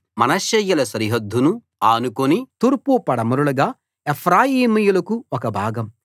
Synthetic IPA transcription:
mɐnɐʃɐjulɐsɐɾiɦɐd̪ʱːunu | aːnukonit̪uːɾpupɐɽɐmuɾulɐɡaː | epʰɾaːjiːmɐjulɐkuɔkɐbʱaːɡɐm

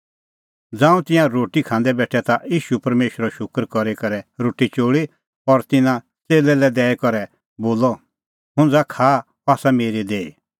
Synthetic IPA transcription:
d͡zãːũt̪ɪ̃jãɾoːʈikʰãːnd̪ɛbɛːʈʰɛt̪aʔjiːʃupɐɾmeːʃɾɔʃʊkɾkɔɾikɐɾɛɾoːʈit͡ʃoːɭi | pɔɾt̪ɪnã | t͡seːlɛlɛd̪ɛːɛkɔɾɛ | boːlɔ | ɦʊ̃nd͡zakʰaː | paːsameːɾid̪eːi

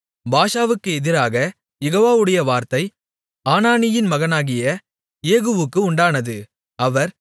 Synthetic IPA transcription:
baːʂaːʋɯkːɯɛðɪɾaːɣɐ | jɛɣoːʋaːʋɯɽɐjɐʋaːɾt̪ɐɪ | aːnaːnɪjɪnmɐɣɐnaːɣɪjɐ | eːɣɯʋɯkːɯʊɳɖaːnɐðɯ | ɐʋɐɾ

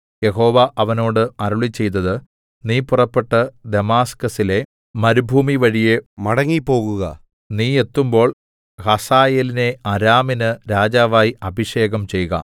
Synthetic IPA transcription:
je̞ɦo̞ːʋɐʔɐʋɐno̞ːɽɨɐɾuɭit͡ɕːe̞jt̪ːɐðɨ | niːpurɐpːe̞ʈːɐd̪e̞maːskɐsile̞ | mɐɾubʱuːmiʋɐɻije̞mɐɽɐŋːipːo̞ːɣuɣɐ̰ | niːe̞t̪ːumbo̞ːɭ | hɐsaːjeːline̞ɐɾaːminɨɾaːd͡ʑaːʋaːjiɐbʱiʂe̞ːɣɐmt͡ɕe̞jɣɐ̰

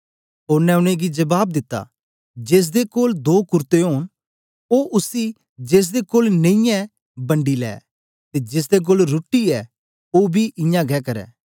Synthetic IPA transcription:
oːɾnɛ̃ʊɽ̃ẽɡid͡ʒɐbaːb̚d̪ɪt̪ːa̰ | d͡ʒeːs̬d̪ekoːld̪oːkʊɾt̪eɦoːn | oːʔʊsi | d͡ʒeːs̬d̪ekoːlnẽĩjɛ̃ | bɐ̃ɳɖilɛ̰ː | t̪ed͡ʒeːs̬d̪ek̬oːlɾʊːʈːiɛ | oːbʱiʔɪ̃jãɡɛːkɐɾɛ̰ː

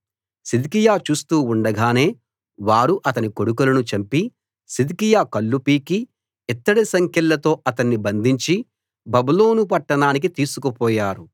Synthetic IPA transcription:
sid̪ikijaːt͡ʃuːst̪uːuɳɖɐɡaːne̞ː | ʋaːɾuʔɐt̪ɐniko̞ɽukulɐnut͡ʃɐmpi | sid̪ikijaːkɐlːupiːki | ɛt̪ːɐɽisɐŋkʰjɐlːɐt̪o̞ːʔɐt̪ɐnːibɐnd̪ʱiɲt͡ʃi | bɐbuloːnupɐʈːɐɳaːnik̬it̪iːsukɐpɔːjaːɾu

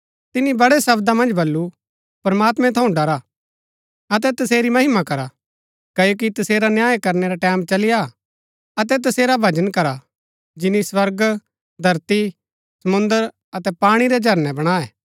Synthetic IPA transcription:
t̪ɪnibɐɽɛsɐbd̪amɐ̃nd͡ʒbɐlːu | pɾɐmaːt̪mɛ̃t̪ʰɐ̃ũɖɐɾa | ɐt̪̬ɛt̪ɐseːɾimɐɦɪmakɐɾa | kɐjok̬it̪ɐseːɾanjaːjkɐɾneɾaʈɛːmt͡ʃɐlɪja | ɐt̪̬ɛt̪̬ɐseːɾabʱɐd͡ʒənkɐɾa | d͡ʒɪniswɐɾɡ | d̪ʱɐɾt̪i | sɐmʊ̃nd̪əɾ | ɐt̪ɛpaːɽ̃iɾɛd͡ʒʱɐɾnɛbɐɽ̃aːɛː

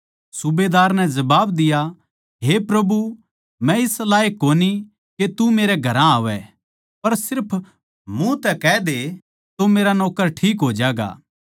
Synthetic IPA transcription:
sʊbed̪aːɾnɛ̃d͡ʒɐbaːbd̪ɪja | ɦepɾɐbu | mɛ̃ɪslaːekːoːni | ket̪umeːɾɛɡʱɐɾãaːʋɛ | pɐɾsɪɾpʰ | mũt̪ɛkɛːd̪e | t̪omeːɾanɔːkəɾʈʰiːk̬ɦoːd͡ʒaːɡa̰ː

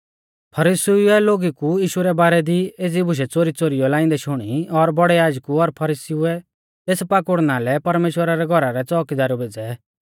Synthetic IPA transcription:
pʰɐɾisiuɛloːɡikujiːʃuɾɛbaːɾɛd̪ieːd͡zibʱʊʃ̬ɛt͡soːɾit͡soːɾijɔlaːɪ̃nd̪ɛʃʊɽ̃iɔɾbɔɽɛjaːd͡ʒkuɔɾpʰɐɾiːsiʊɛ | t̪eːspaːkʊɽnalɛpɐɾmeːʃwəɾaɾɛɡʱɔɾaɾɛt͡sɔːkid̪aːɾɔbeːd͡zɛ

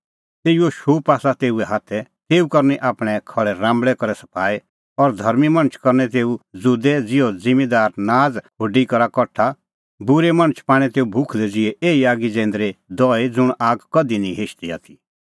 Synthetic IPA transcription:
t̪eːioʃuːpaːsat̪eːuɛɦaːt̪ʰɛt̪eːukɐɾniʔaːpɽ̃ɛkʰɐɭɛɾãːmbɭɛkɔɾɛsɐ̥pʰaːe | ɔɾd̪ʱɐɾmimɐ̃ñət͡ʃʰkɐɾnɛt̪̬eːud͡zud̪ɛd͡zɪjɔd͡zɪ̃med̪aːɾnaːd͡zɦoːɖikɐɾakɔʈʰa | bʊɾemɐ̃ñət͡ʃʰpaːɽ̃ɛ̃t̪eːubʱʊkʰd̪ɛd͡zɪɛʔeːiaːɡid͡zɛ̃ːnd̪ɾed̪ɔːed͡zʊɽ̃aːɡkɐd̪inĩɦeːʃt̪ia̰ːt̪ʰi

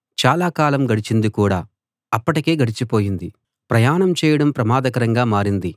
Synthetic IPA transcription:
t͡ʃaːlaːkaːlɐmɡɐɽit͡ʃind̪ikuːɽa̰ː | ɐpːɐʈike̞ːɡɐɽit͡ʃipo̞ːjind̪i | pɾɐjaːnɐmt͡ʃɛːjɐɽɐmpɾɐmaːd̪ɐkɐɾɐŋɡaːmaːɾind̪i

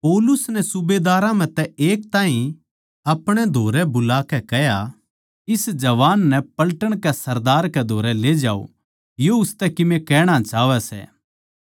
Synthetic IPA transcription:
pɔːlʊsnɛsʊbeːd̪aːɾãm̤ɛ̃t̪ɛeːk̚t̪aːĩ | ɐpɽ̃ɛd̪ʱoːɾɛbʊlaːkɛkɛja | ɪsd͡ʒɐʋaːnːɛpɐlʈəɽ̃kɛsɐɾd̪aːɾkɛd̪ʱoːɾɛleːd͡ʒa̰ːo̰ | joʊst̪ɛkɪmẽkɛːɽ̃at͡ʃaːʋɛsɛ̰ː

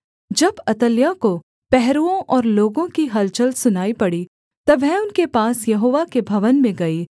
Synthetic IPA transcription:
d͡ʒɐbɐt̪əljako | pɛɦɾuõʔɔːɾloːɡõkiɦɐlt͡ʃəlsʊnaːipɐɽi | t̪ɐʋɛʊnkepaːsjɐɦoːʋakebʱɐʋənmẽɡɐiː

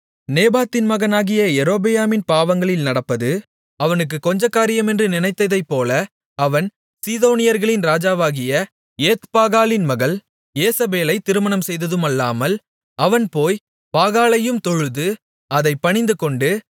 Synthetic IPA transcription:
neːbaːt̪ːɪnmɐɣɐnaːɣɪjɐɛɾoːbɛjaːmɪnpaːʋɐŋɡɐɭɪlnɐɽɐpːɐðɯ | ɐʋɐnɯk̬ːɯkːɔɲd͡ʒɐkːaːɾɪjɐmɛndrɯnɪnɐɪt̪ːɐðɐɪpːoːlɐ | ɐʋɐn | siːðoːnɪjɐɾɣɐɭɪnɾaːd͡ʒaːʋaːɣɪjɐ | eːt̪paːɣaːlɪnmɐɣɐl | jeːsɐbeːlɐɪt̪ːɪɾɯmɐɳɐmsɛjðɐðɯmɐlːaːmɐl | ɐʋɐnpoːj | paːɣaːlɐjɯmt̪ɔɻɯðɯ | ɐðɐɪpːɐɳɪnd̪ɯkɔɳɖɯ

